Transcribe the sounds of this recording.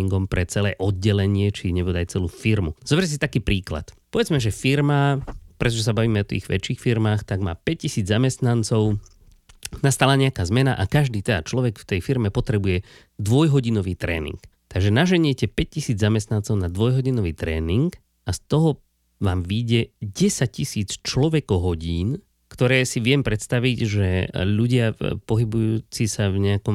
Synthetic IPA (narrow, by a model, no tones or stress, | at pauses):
iŋɡɔmpɾɛt͡sɛlɛ̰ːʔɔd̪̚ɟɛlɛɲɪɛt͡ʃiɲɛbɔd̪ajt͡sɛluːfiɾmuz̥ɔbɛcɛsit̪akiːpɾiːkla̰t̪pɔʋɛd͡zmɛʒɛfiɾmapɾɛt̪̬ɔʒɛsabaʋiːmɛɔt̪ḭːɣʋɛ̰t͡ʃiːxfiɾmaːxt̪aɡma̰ːpɛc̚cisiːd͡zzamɛst̪nant͡sɔʊ | nast̪alaɲɛakaːzmɛnaʔakaʒd̪iːt̪ɛd̪a̰t͡ʃlɔʋɛkft̪ɛjfiɾmɛpɔt̪ɾɛbujɛ | d̪ʋɔjɦɔɟinɔʋiːt̪ɾɛ̰ːnḭŋkt̪aɡʒɛnaʒɛɲɪɛcɛpɛc̚cisiːd͡zzamɛst̪nant͡sɔʊnad̪ʋɔjɦɔɟinɔʋiːt̪ɾɛ̰ːniŋk | ast̪ɔɦɔ | ʋaːmʋiɟɛɟɛsac̚cisiːt͡st͡ʃlɔʋɛkɔɦɔɟiːn | kt̪ɔɾɛːsiʋɪɛmpɾɛt̪st̪aʋiɟʒɛʎuɟɪapɔɦibujuːt͡sisavɲɛakɔm